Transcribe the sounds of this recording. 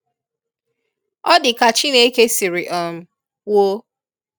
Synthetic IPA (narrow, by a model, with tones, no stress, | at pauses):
ɔ˦dɪ˨ka˨t͡ʃi˦ne˦ke˦si˨ɾi˨ʔɔ˨m̩˦ | wo˦